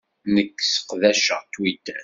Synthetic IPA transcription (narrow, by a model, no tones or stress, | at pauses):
nəkːsə̥qðæʃə̰ʁt̪wit̪æ